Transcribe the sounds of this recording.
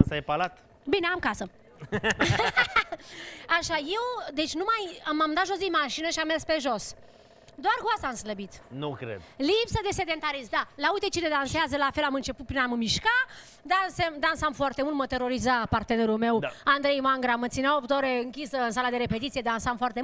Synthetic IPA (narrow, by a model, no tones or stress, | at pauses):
sajpalat̪ | bineamkasə | aʃaje̞wd̪e̞t͡ʃʲnumajamamd̪at̪ʒo̞s̬d̪inmaʃinəʃiamːerspe̞ʒo̞s | d̪oarɡoasamsləbit̪nukɾḛd̪lipsəd̪e̞se̞d̪e̞nt̪aɾist̪d̪alaujt̪et͡ʃined̪anseazəlafe̞lamɨnt͡ʃe̞put̪̚pɾinammiʃka | d̪ansemd̪ansamfoart̪emult̪mət̪e̞ɾo̞ɾizapart̪ene̞ɾulme̞wand̪ɾejmaŋɡɾamət̪sineawopt̪əoɾeɨŋkʲisəɨnsalad̪e̞ɾe̞pe̞t̪it̪sie̞d̪ansamfoart̪e